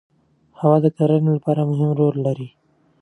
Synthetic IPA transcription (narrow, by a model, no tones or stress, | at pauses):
hawɑd̪əkaɾənelapɑɾamʊɦɪmɾolːaɾi